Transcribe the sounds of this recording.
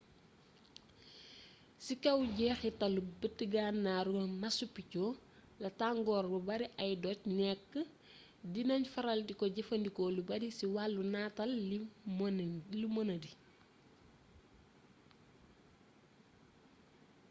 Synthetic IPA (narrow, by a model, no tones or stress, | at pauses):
sikɐwɟɛːxitɐlubətːəɡaːnːaɾumɐsupːicɔː | lɐtaŋɡɔːrbubɐɾiʔɐjdɔcnɛkːə | dinɐɲfɐɾɐldikɔɟɛfɐndikɔːlubɐdisiwalːunaːtɐlimlumɔnɐdi